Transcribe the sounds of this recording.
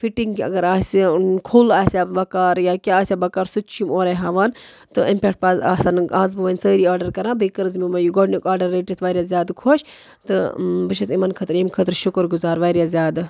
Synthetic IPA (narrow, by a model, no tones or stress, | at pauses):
fiʈiŋɡɐ̰ɡɐɾaːsikʰulaːsʲabɐkaːɾjaːkʲaaːsʲabɐkaːɾsut͡ʃʰimoːɾeɦɐʋan | t̪ɨimpʲekʈ̚pazaːsanaːzbɨʋɐnʲsəːɾiːaːɾɖɐɾkɐɾãːbikɐɾɨzmimɐjuɡoɖnikaːɖɐɾːeːʈit̪ʋaːɾʲjaːzʲjaːd̪kʰoʃ | t̪ɨbɨʃɐt̪imɐnkʰɐt̪ɾimkʰɐt̪ɾʃʊkəɾɡuzaːɾʋaːɾjaːzʲjaːd̪